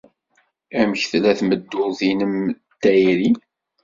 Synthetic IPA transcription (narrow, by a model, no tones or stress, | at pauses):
æmçθlæθməd̪ːʊðinəm | t̪ːæjɾi